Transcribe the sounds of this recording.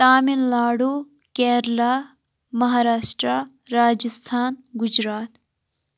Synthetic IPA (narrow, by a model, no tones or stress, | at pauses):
t̪aːminlaːɽu | kɛːɾla | mɐɦaːɾaːʃʈɾa | ɾaːd͡ʒəst̪ʰaːnɡʊd͡ʒɾaːt̪